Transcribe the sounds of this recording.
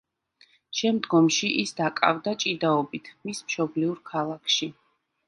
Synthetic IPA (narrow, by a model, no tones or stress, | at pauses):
ʃɛmd̪ɡɔmʃiʔisd̪akʼa̰vd̪at͡ʃʼid̪aɔbit̪ʰmismʃɔbliuɾkʰalˠakʰʃi